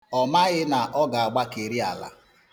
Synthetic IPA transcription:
ɔ˨ma˦ɣɪ˦na˨ʔɔ˦ɡa˨a˨ɡ͡ba˦ke˨ɾi˦a˨la̰˨

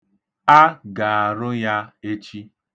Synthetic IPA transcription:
a˦ɡa˨a˨ɾʊ˦ja˦e˦t͡ʃi˦

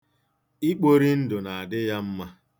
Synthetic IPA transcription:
i˦k͡po˦ɾi˦n̩˦dʊ˨na˨a˨dɪ˦ja˦m̩˦ma˦

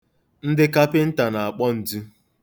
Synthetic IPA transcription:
n̩˦dɪ˦ka˦pɪ˦n̩˦ta˨na˨a˨k͡pɔ˦n̩˨du˦

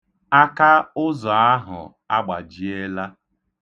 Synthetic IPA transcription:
a˦ka˦ʊ˦zɔ˨a˦ɦʊ̰˨ | a˦ɡ͡ba˨d͡ʒi˨e˦la˦

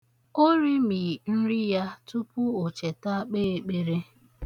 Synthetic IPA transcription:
o˦ɾi˦mi˨n̩˦ɾi˦ja˦tu˦pʊ˦o˨t͡ʃe˨ta˦k͡peː˦e˨k͡pe˦ɾe˦

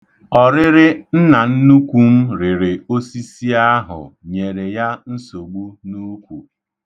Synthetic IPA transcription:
ɔ˨ɾɪ˦ɾɪ˦n̩˦na˨n̩˦nu˦kʷu˦m̩˦ɾɪ˨ɾɪ˨o˦si˦si˦a˦ɦʊ̰˨ɲe˨ɾe˨ja˦n̩˦so˨ɡ͡bu˦nu˦kʷu˨

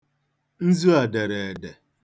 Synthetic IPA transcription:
n̩˦zu˦a˨de˨ɾe˨dɛ˨

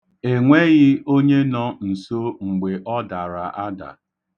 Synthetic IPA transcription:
e˨ŋʷe˦ɣɪ˦o˦ɲe˦nɔ˦n̩˨so˦ŋ͡m̩˨ɡ͡be˨ʔɔ˦da˨ɾa˨ʔa˦da̰˨

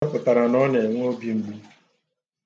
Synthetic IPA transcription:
pʊ˨ta˨ɾa˨nɔ˦ne˨ŋʷ˦o˦bi˦ŋ͡m̩˨ɡ͡bu˦

